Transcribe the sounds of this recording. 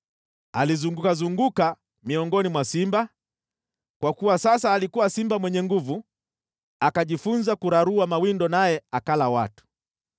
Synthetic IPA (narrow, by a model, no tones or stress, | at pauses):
a̰lizuŋɡukazuŋɡuka | miɔŋɡɔnimwasimba | kwakuwasasaːlikuwasimbamwɛɲɛŋɡuvu | akaʄifunzakuɾaɾuamawindɔnajɛakalawa̰tu̥